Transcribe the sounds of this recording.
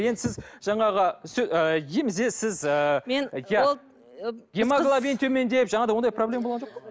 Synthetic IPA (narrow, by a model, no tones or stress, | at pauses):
jed̪ɪsɪzʒ̥ɑɴɑʁəsɵəjemɪzesɪzəenja | ɡʲemaɡlˠabijnt̪ʰɵme̞nd̪e̞jɪpʒɑɴɑd̪ɑwod̪ɑjproblʲe̞maboʁɑnʒoqpə